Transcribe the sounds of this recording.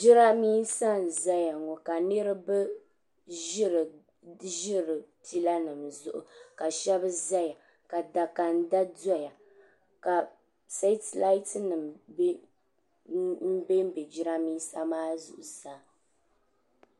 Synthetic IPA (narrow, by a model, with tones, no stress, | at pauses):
d͡ʒɪ˦ɾa˦miː˦sa˦n̩˨za˦ja˨ŋɔ˨ka˨nɨ˦ɾɨ˦bɨ˦ | ʒɪ˦ɾɨ˨ | ʒɪ˦ɾɨ˨tʰi˦la˦nɨ˨mzʊ˦ʔʊ̰˨ka˨ʃɛ˦bɨ˦za˦ja˨ | ka˨da˨ka˨n˦da˦dɔ˦ja˨ | ka˨ | se˦tla˦i˦tɨ˦nɨ˨m˦ | m̩˦be˦m˦bɛ˨d͡ʒɪ˦ɾa˦miː˦sa˦maː˦zʊ̰˨ʔʊ˨sa˦